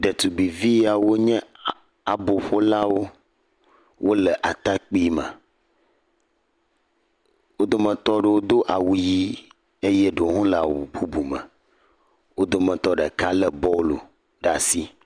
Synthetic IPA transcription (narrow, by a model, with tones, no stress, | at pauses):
ɖə˨t̪u˨ɡ͡bi˨vi˦a˨wo˦ɲɛ̃˦ | a˨bo˨ɸo˦la˦wo˦ | wʔo˦lə˨ʔa˨t̪a˦k͡pi˦mɛ̰̃˨ | wo˦d̪o˦mə̃˨t̪ɔ˦ɖə˨wo˦d̪o˦ʔa˨wu˨ji˦ | e˦jɛ˦ɖo˨ɦũ˦lə˨a̰˨wṵ˨bu˦bu˨mɛ̰̃˨ | wo˦d̪o˦mə̃˨t̪ɔ˦ɖə˨ka˦lə˦bɔ˦lo̰˨ | ɖa˨si˦